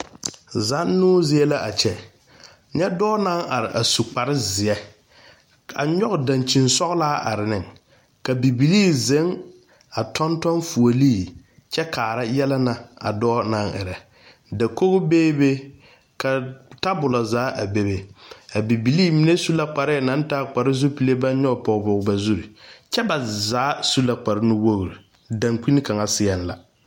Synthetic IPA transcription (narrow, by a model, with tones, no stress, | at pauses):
za˨˦nːʊː˦zɪ˦ɛ˦la˦ʔa˨t͡ʃɛ˨ | ɲɛ˦dɔː˦na˦ŋʔa˨ɾɪ˨ʔa˨su˨k͡pa˨ɾɪ˦zɪ˨ɛ˦ | a̰˨ɲɔ˦ɣʊ˨da˨nt͡ʃi˨nsɔ˦ɣʊ˦laː˦a̰˨ɾɪ˨nɪ˨ŋ | ka˨bi˨bi˨liː˦˨ze˨˦ŋ | a˨tʰɔ˦ntɔ˦nfu˨o˨liː˦˨ | t͡ʃɛ˦kʰaː˨ɾa˦jɛ˦lɛ˦na˨a̰˨dɔː˦na˦ŋʔɪ̰˨ɾɛ˨ | da˨ko˦ɣʊ˦beː˦be˦ | ka˨ta˦bʊ˨la˨zaː˨˦ʔa˨be˦be˨a˨bi˨bi˨liː˦˨mi˨˦ne˦su˦la˦k͡pa˨ɾɪ˦˨na˨˦n˦taː˦˨k͡pa˨ɾɪ˦zʊ˦pi˨le˦ba˦n˦ɲɔ˦˨pɔ˨ɣbɔ˨ɣba˨zu˦ɾi˨t͡ʃɛ˦ba˨zaː˨˦su˦la˨k͡pa˨ɾɪ˦nʊ˦wo˦ɣɾi˨ | da˨ŋk͡pi˦nɪ˦ka˨ŋa˨sɪ˦ɛ˨n˦la˨